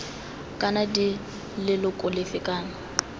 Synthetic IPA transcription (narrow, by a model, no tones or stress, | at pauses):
kʼanadi | lɪlʊkʼʊlɪfɪkʼaːnʊ